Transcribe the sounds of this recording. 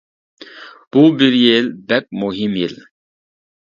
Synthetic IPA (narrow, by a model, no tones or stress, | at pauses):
b̥ubiɾjelbɛp̚muɦimjil